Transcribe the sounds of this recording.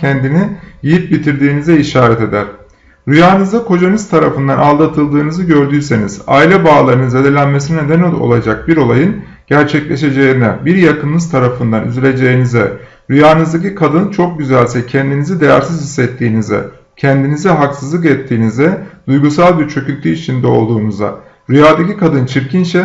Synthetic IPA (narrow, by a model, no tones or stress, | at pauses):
ɛnd̪inijijip̚bit̪ʰiɾd̪iːnizɛiʃaːɾɛt̪e̞d̪æɾ̥ | ɾyjaːnɯzd̪akʰo̞d͡ʒanɯzt̪ʰaɾafɯnd̪analˠd̪at̪ʰɯlˠd̪ɯːnɯzɯɟø̞ɾd̪yjse̞niz̥a̰ilʲɛbaːlˠaɾɯnɯzad̪elʲænmesinined̪enilo̞̰lˠad͡ʒak̚biɾo̞lˠajɯn | ɟ̥æɾt͡ʃʰɛclʲe̞ʃe̞d͡ʒeinɛbiɾjakɯnːˠɯz̥t̪ʰaɾafɯnd̪anʔy̰zylʲe̞d͡ʒe̞jinizɛ̰ | ɾyjaːnɯzd̪acikʰad̪ɯnt͡ʃʰo̞k̚ɟyzælʲsɛcʰɛnd̪inizid̪e̞jæ̰ɾsizhisːɛt̪ʰːiːnizɛ̰ | cʰɛnd̪inizɛɦaksɯzlˠɯk̬ɛt̪ʰːiːnizɛd̪̥ujɡusalˠbiɾt͡ʃʰø̞cylʲt̪ʰyit͡ʃʰind̪ɛo̞̰lˠd̪uːnuza̰ | ɾyjaːd̪acikad̪ɯnt͡ʃʰiɾcʰinʃɛ